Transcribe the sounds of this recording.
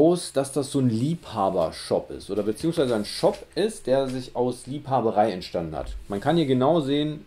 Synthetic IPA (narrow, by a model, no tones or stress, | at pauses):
ʊsd̥asd̥asz̥oːnliːphaːbɐ̰ʃɔ̰pɪ̰stʔoːdɐbət͡siːʊŋsv̥aɪzəaɪnʃɔpʔɪst̚d̥eːɐzɪçaʊsliːphaːbəʁ̞aɪɛntʃtandn̩ha̰tmankʰanhiːɐɡənaʊzeːən